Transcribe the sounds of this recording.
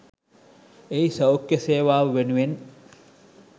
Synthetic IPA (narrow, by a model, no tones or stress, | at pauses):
eisɐwkːeseːʋaːʋəʋenuʋen